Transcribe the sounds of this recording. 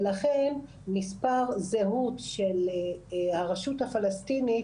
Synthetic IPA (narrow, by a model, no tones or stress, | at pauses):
laχen | mispaʁzeɦut̪ʃel | haʁaʃuthafalastini